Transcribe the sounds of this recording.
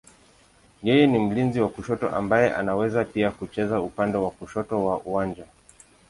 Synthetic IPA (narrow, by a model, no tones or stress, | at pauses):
jɛjɛnim̩linziwakuʃɔtɔ̰ʔa̰mbajɛʔa̰nawɛzapiakut͡ʃɛzaupandɛwakuʃɔtɔwaʔuwand͡ʒa